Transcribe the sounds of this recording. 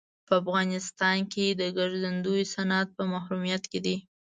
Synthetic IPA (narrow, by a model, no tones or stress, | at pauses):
pəafɣɑnɪst̪ɑnked̪əɡaɾzand̪ujsanat̪̚pəmahɾumijat̪ked̪i